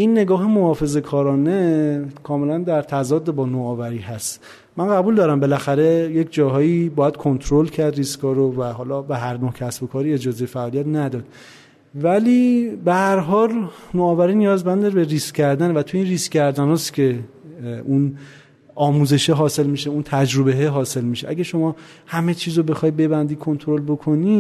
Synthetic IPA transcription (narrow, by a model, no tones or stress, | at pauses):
ʔinːe̞ɡɒːɦemohɒːfe̞ze̞kʰɒːɾɒːnekʰɒːme̞lænd̪æɾt̪ʰæzɒːd̪ːebɒːnoːvæɾiːɦæst̪ | mænɢæbuːld̪ɒːɾæmbe̞læxæɾe̞je̞cʰd͡ʒɒːɦɒːiːbɒːjæd̪̥̚kʰo̞nt̪ʰɾolcʰæɾd̪ɾiskʰɒːɾovæɦɒːlɒbeɦæɾnohcʰæsbo̞kʰɒːɾiːe̞d͡ʒɒːze̞jefæʔɒːlijæt̪næd̪ɒːd̪̥̚ | væliːbehæɾɦɒːlnoːvæɾiːnijɒːzbænd̪eɾbeɾiːskcʰæɾd̪ænvæt̪ʰujeiːnriskcæɾd̪ænɒːscʰe̞ | un | ɒːmuːze̞ʃeɦɒːse̞lmiːʃeunt̪ʰæd͡ʒɾobe̞ɦeɦɒːse̞lmiʃeʔæɡæʃo̞mɒː | hæme̞t͡ʃʰiːzobe̞xɒːjbe̞bænd̪ikʰo̞nt̪ʰoɾo̞lbo̞kʰo̞ni